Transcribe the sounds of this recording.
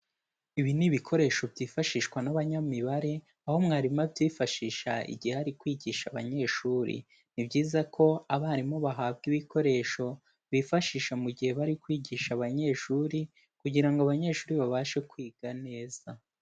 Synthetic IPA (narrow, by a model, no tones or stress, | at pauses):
iβiniβikʰo̞ɾe̞ʃo̞bjiːfaʃiːʃkwanaβaɲamiβaɾe̞ | aho̞mŋaːɾimabjiːfaʃiːʃa̰ḭɟiheaɾikwiːɟiːʃaβa̰ɲe̞ʃuːɾḭ | nibɟiːzakʰo̞aβaːɾimo̞βaɦaːbɡiβiko̞ɾe̞ʃo̞ | βifaʃiːʃamuɟihe̞βaɾikwiːɟiːʃaβaɲe̞ʃuːɾi | kuɟiɾaŋɡoaβaɲe̞ʃuːɾiβaβaːʃe̞kwiːɡ̥ane̞ːz̥a